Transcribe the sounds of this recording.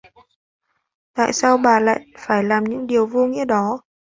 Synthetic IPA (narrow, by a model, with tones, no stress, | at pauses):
t̪a̰ː˧˨jsaː˧wɓaː˨˩la̰ː˧˨jfaː˧˩jlaː˨˩mɲɨ̰˧˥ŋɗi˨˩əwvu˧ŋḭ˧˥əɗɔ˨˦